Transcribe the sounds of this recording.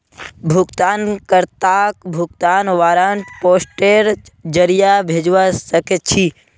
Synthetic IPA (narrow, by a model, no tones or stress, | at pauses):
bʱukt̪aːnkəɾt̪akbʱukt̪aːnʋaːɾaɳʈpoːsʈeɾd͡ʒəɾijabʱed͡ʒʋasəket͡ʃʰi